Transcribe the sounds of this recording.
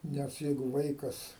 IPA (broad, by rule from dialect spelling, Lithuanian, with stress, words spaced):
ˈnʲɛs ˈjɛɪɡʊ ˈʋɐɪkɐs